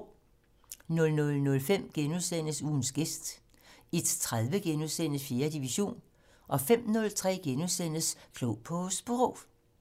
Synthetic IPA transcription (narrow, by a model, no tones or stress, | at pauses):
nɔ̽lnɔ̽lnɔ̽lfem̰ɡ̥enuðˠsen̰əsuːn̩sɡ̥e̝sd̥ | e̝d̥t͡sʰʁaðˠʋəɡ̥enuðˠsen̰əsfje̝ːɐd̥iʋiɕo̝̰ːn | ʔɒ̽fem̰nɔ̽lt͡sʰʁɛ̰ːɡ̥enuðˠsen̰əskʰloːpʰɔsb̥oʁoː